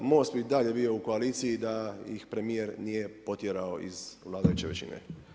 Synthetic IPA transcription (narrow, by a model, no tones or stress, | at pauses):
most̪̚bid̪aʎe̞bio̞uko̞aliːt̪sijid̪ajḭxpɾe̞mijeɾnije̞po̞t̪jeɾao̞ʔḭzʋlˠaːd̪ajut͡ɕeʋḛt͡ɕḭnḛ